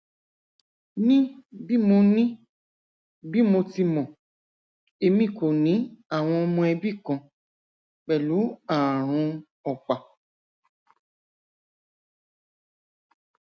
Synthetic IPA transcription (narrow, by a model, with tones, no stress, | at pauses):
nĩ˦bi˦mo˧nĩ˦ | bi˦mo˧ti˧mɔ̃˨ | e˧mĩ˦˨ko˨nĩ˨˦a˦˨w̃ɔ̃˧ɔ˧mɔ̃˧ɛ˧bi˦˨kã˧ | k͡pɛ˨lu˨˦a˨ɾ̃ũ˧ | ɔ˨k͡pa˨